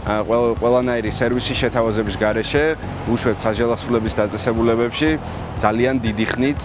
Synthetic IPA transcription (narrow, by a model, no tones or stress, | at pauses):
qʼwɛlˠanaiɾisɛɾvisiʃɛt̪ʰavazɛbisɡaɾɛʃɛ | uʃwɛp̚t̪saʒalˠaχsulɛbisd̪at̪sʼɛsɛbulɛβɛpʃi | d̪zaliand̪id̪iχnit̪ʰ